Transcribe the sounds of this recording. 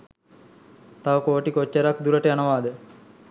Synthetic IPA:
t̪aʋəkoːʈikot͡ʃːəɾak̚d̪uɾəʈəjanəʋaːd̪ə

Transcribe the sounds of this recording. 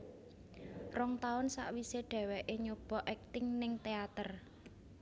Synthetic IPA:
rɔŋt̪aʊnsa̰ʔwiseɖ̥ɛ̤wɛʔeɲob̥ɔʔɛk̚t̪ɪŋnɪŋt̪eat̪ər

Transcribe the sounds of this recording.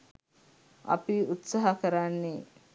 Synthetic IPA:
ɐ̰piut̪saɦakəɾanːe

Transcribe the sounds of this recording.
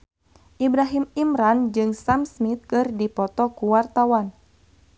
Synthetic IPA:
ʔibɾaɦimimɾand͡ʒɨŋsamsmit̪̚kɨrdipɔt̪ɔkuwart̪awan

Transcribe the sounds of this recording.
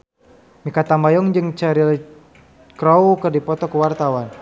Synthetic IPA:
mikat̪ambajɔŋd͡ʒɨŋt͡ʃaɾil | kɾawkərdipɔt̪ɔkəwart̪awan

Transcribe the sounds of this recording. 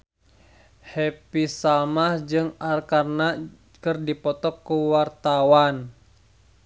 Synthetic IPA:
hepisalmahd͡ʒɨŋarkarna | kɨrdipɔt̪ɔkːuwart̪awan

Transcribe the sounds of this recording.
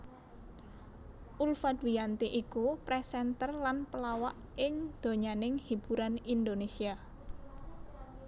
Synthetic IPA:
ʔulfad̪wijant̪iʔikupɾɛsɛnt̪ərlanpəlawaʔ | ɪŋd̪̥o̤ɲanɪŋhib̥ṳɾanind̪onesia

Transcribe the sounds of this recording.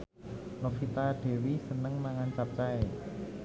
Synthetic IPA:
nofit̪aɖ̥e̤wisənəŋnaŋant͡ʃap̚t͡ʃaj

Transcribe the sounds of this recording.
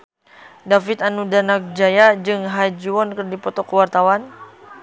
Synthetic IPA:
dafit̪anudanak̚d͡ʒajad͡ʒɨŋɦajd͡ʒuɔnkɨrdipɔt̪ɔkːəwart̪awan

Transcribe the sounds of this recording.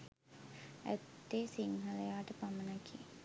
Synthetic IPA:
æ̰t̪ːeːsiŋɦɐlejaːʈəpamənakʰi

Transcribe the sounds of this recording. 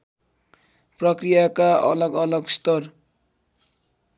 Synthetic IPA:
prʌkrijakaʌ̰lʌɡʌlʌɡst̪ʌr

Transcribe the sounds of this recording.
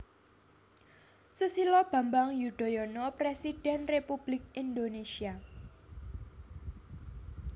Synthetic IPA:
susilɔb̥ä̤mbaŋjuɖ̪̥o̤jɔnɔpɾesid̥ɛnrepub̥lɪk̚ind̪onesia

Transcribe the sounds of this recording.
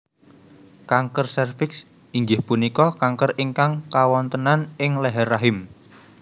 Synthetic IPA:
kaŋkərsɛrfɪks | ʔiŋɡɪhpunikɔkaŋkəriŋkaŋkawɔnt̪ənanɪŋlɛɦɛrːaɦɪm

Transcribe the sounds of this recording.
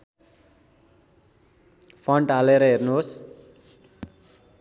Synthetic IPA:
pʰʌɳʈaleɾʌɦernuɦos

